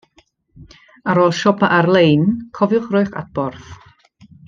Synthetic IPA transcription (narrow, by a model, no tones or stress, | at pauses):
aɾɔlˠʃɔpaʔarlˠejnkʰɔvjʊχrʊjχa̰t̚b̥ɔrθ